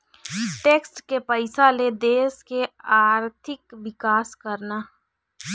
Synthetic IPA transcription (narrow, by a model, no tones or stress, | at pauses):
ʈeːksʈkepəɪsaled̪eːskeaːɾt̪ʰɪkʋɪkaːskəɾna